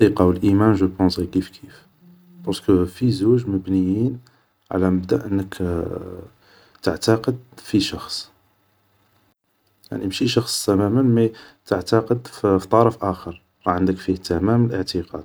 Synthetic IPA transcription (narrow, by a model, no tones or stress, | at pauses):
iqɑwəlʔimænʒəpɑ̃sikifkʰif | bɑɾskəfizuʒməbnəjin | ʕa̰læməbd̪æ̰ʔənːək | t̪əʕt̪ɑqəd̪fiʃɑxsˤ | ja̰ʕnimʃiʃɑxsˤt̪æmæmənmæt̪əʕt̪ɑqəd̪ft̪ˤɑɾˤɑfʔæxəɾˤ | ɾˤɑʕənd̪əkfiht̪æmæməlʔəʕt̪əqɑ̰d̪